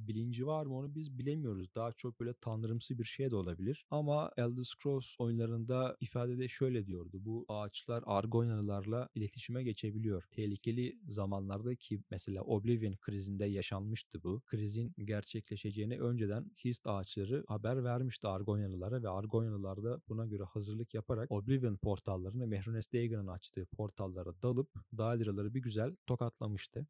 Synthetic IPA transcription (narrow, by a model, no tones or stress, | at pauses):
bilʲind͡ʒivaɾmɯo̞nubizbilʲe̞mijo̞ɾuzd̪aɦat͡ʃʰok̚bøjlʲɛt̪ʰand̪ɯɾɯmsɯzbiɾʃejd̪ɛo̞lˠabilʲiɾ̥amaɛlʲˠd̪ɯskɾoso̞junlˠaɾɯnd̪aifaːd̪e̞d̪ɛʃø̞jlʲɛd̪ijo̞ɾd̪ubuaːt͡ʃlˠaɾa̰ɾɡo̞jnalˠɯlˠaɾlˠailʲe̞t̪ʰi̥ʃimɛɟe̞t͡ʃʰe̞bilʲijo̞ɾ̥t̪ʰehlʲicʰe̞lʲizamanlˠaɾd̪acʰimɛselʲa̰ːʔo̞blʲivinkʰɾizind̪ɛjaʃanmɯʃt̪ʰɯbukʰɾizinɟæɾt͡ʃʰɛclʲe̞ʃe̞d͡ʒejiniʔø̞nd͡ʒed̪ænhist̪aːt͡ʃlˠaɾɯhabæɾvæɾmiʃt̪ʰɯaɾɡo̞jnanˠɯlˠaɾɯvɛaɾɡo̞nalˠɯlˠaɾd̪ab̥unaɟø̞ɾɛhazɯɾlˠɯkjapʰaɾako̞blʲivinpʰo̞ɾt̪ʰalˠːaɾɯnɯmɛhɾunɛst̪ejɡɯnɯnat͡ʃt̪ʰɯːpʰo̞ɾt̪ʰalˠːaɾɯd̪alˠɯp̚d̪aːd̪iɾalˠaɾɯbiɟyzælʲt̪ʰo̞kat̪ʰlˠamɯʃt̪ʰɯ